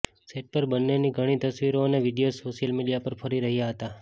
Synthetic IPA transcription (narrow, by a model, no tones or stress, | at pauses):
seʈ̚pəɾbənːeniɡʱəɽ̃it̪əsʋiɾoneʋiɖijosoʃjəlmiɖijapəɾfʰəɾiɾəɦijaɦət̪a